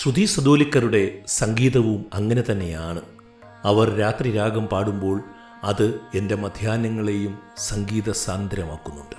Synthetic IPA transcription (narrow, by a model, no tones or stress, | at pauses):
ɕrud̪iːsɐd̪oːlikːɐɾuɽe̞sɐŋɡiːðɐʋumɐŋːɐne̞t̪ɐnːe̞jaːɳɨ | ɐʋɐrɾaːt̪riɾaːɡɐmpaːɽumbo̞ːɭ | ɐðɨe̞nde̞mɐd̪ʱjaːnɐŋːɐɭe̞jumsɐŋɡiːðɐsaːnd̪ɾɐmaːkːunːuɳɖɨ̥